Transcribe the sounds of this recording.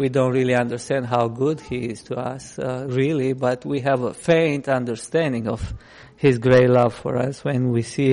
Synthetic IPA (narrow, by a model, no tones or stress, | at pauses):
widõʊ̃ntɹilˠiʌ̃ndə˞stɛ̃nd̚ɦaʊɡʊd̚hiɪz̥tʰuʌsɹilˠibʌtʰwiɦɨvəfẽɪ̃ntʌ̃ndə˞stæ̃ndɪ̃ŋʌv̥ | hɪzɡɹeɪtlʌv̥fɔ̰ɹʌswɛ̃nwisi